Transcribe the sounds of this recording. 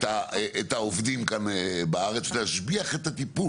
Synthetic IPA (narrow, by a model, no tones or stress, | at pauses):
taeʔet̪aovd̪imkanebaaʁet͡sleaʃbiaχe̞t̪at̪ipu